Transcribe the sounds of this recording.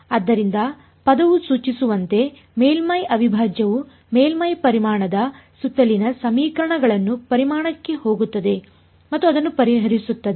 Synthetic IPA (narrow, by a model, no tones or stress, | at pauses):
ɐd̪ːɐɾind̪ɐ | pɐd̪ɐʋusuːt͡ʃisuʋɐnt̪e̞ | meːlmɐjɐʋibʱaːd͡ʒjɐʋu | meːlmɐjpɐɾimaːɳɐd̪ɐsut̪ːɐlinɐsɐmiːkɾɐɳɐɡɐɭɐnːupɐɾimaːɳɐkːe̞ho̞ːɡut̪ːɐd̪e̞ | mɐt̪ːuɐd̪ɐnːupɐɾiɦɐɾisut̪ːɐd̪e